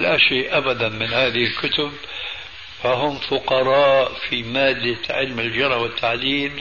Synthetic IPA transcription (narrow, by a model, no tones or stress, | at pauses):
laʃeːʔʔabad̪anmɪnhaːðɪhɪlkʊt̪ʊb | faɦʊmfʊqɑɾˤɑːʔfimaːd̪ːaʕɪlmɪld͡ʒɑɾˤhwɪt̪ʰːaʕliːm